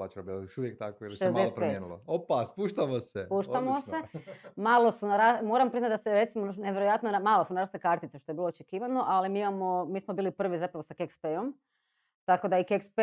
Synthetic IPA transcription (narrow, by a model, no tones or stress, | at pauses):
at͡ʃkabilojoʃuʋjek̚t̪akoiliʃezdaeeet̪pɾpeːetnuloopaspuʃt̪amosepuʃt̪amose̞maːlˠo̞sunaɾamo̞ɾampɾiznat̪d̪aseɾe̞t̪simoneʋjeɾojat̪nonamaːlˠosunaɾast̪lekaɾt̪it̪seʃt̪o̞jebiːloot͡ʃekiːʋano̞ʔalimiːimamomiːsmobiːlipr̩ʋizapɾaʋosakekspejom | t̪akod̪aikekspe